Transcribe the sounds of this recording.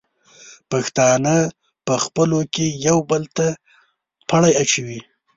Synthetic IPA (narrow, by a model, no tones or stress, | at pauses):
paxt̪ɑnə | pəxpəlokejawbəlt̪a | pʰaɽajat͡ʃawi